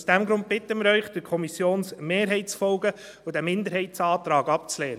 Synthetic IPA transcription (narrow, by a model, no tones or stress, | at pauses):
sd̥æmɡɾʊnt̚b̥ɪt̪ːəmɪɾœʏχd̥ɪɾkʰɔmisjoːnsmeːɾɦɛɪsfɔlɡə | ʊd̥æmɪnd̪əɾɦɛɪtsɑːt̪ɾɑːɡɑpt͡slɛːɾə